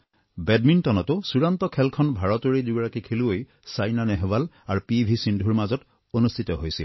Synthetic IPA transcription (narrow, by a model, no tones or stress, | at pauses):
bɛdmintɔnɔtʊsuɹantɔkʰɛlkʰɔnbʱaɹɔtoɹiduɡɹakikʰeluoj | sajnanɛɦɛbal | aɹupibʱisindʱuɹmazɔt | onust̪ʰitɔɦojsil